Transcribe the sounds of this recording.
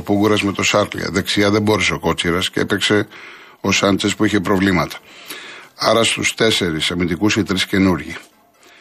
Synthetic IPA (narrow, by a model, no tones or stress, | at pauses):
opuɡuɾɐzme̞t̪o̞sɐɾlḭɐ̰ðeksiɐðe̞bo̞ɾeseoko̞t͡siɾɐsceḛpekse̞ | osɐnt͡ʃespuiçepɾo̞vlimɐt̪ɐ̥ | ɐɾɐst̪ṵst̪e̞se̞ɾisɐmind̪ikusit̪ɾisce̞nuɾʝi